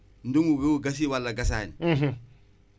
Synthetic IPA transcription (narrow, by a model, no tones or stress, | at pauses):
n̩duŋuɡeuɡas̬iwalːaɡas̬an̩ɦ̩